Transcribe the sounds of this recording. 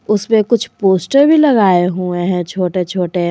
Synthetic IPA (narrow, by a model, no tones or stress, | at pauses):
ʊsmẽkʊt͡ʃʰpoːsʈəɾbʱilɐɡaːeɦuẽɦɛ̃t͡ʃʰoːʈet͡ʃʰoːʈe